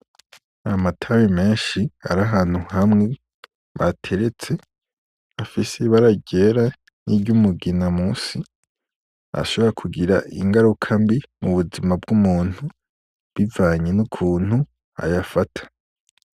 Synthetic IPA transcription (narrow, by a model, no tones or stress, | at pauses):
amatʰawime̞ːnʃia̰ɾaɦaːn̥huhamŋe̞ | βa̰tʰe̞ɾet͡se̞ | afiseβaɾaɟeːɾa | niɟumuɡinamusi | a̰ʃo̞βo̞ɾakʰuɡiɾaʔḭŋɡaɾukʰambimuβuzimab̚ɡumuːn̥hu | βivaːɲenukʰuːn̥hu | a̰jafatʰḁ